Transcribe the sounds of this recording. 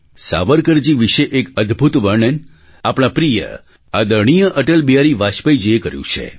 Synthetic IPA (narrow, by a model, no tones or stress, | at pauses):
sa̰ʋəɾkəɾd͡ʒiʋiʃeʔekəd̪ʱbʱut̪ʋəɾɳən | apɳ̃apɾijə̰ | ad̪əɾɳ̃ijəʔəʈəlbijaɾiʋaʃpəjd͡ʒəjekəɾjṵ̃t͡ʃʰḛ